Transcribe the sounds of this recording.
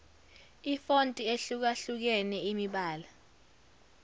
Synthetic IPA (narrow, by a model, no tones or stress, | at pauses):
ifontʼieɬuk̬aɬuk̬ɛnɛimiɓaːla